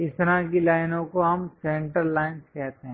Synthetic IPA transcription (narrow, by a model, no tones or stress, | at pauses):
ɪst̪ɾãkilaːɪnõkoɦɐmsẽɳʈəɾlaːɪnskɛɦt̪ɦɛ̃